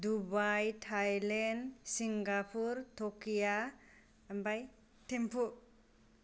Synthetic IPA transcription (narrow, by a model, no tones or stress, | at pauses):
dubajtʰajlensiŋɡapʰuɾtʰokija | mbaj | tʰempʰu